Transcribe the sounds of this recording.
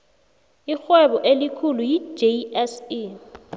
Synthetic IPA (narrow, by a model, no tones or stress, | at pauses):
ixwɛɓɔʔelikʰulujid͡ʒeɛsi